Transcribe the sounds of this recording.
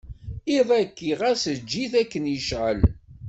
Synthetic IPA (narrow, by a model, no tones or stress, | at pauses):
iðˤækːiʁæsəd͡ʒːiθækːənjəʃʕə̰l